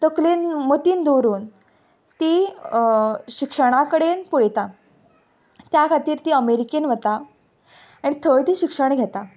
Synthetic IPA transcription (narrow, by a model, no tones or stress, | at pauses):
t̪əkliːnmot̪iːnd̪oɾuːn | t̪i | ɕikʂəɽ̃akəɽenpuɽet̪a | t̪jakʰat̪iːɾt̪iːəmeɾikenʋət̪a | aɽ̃it̪ʰəɭt̪iːɕikʂəɳ̃ɡʱet̪a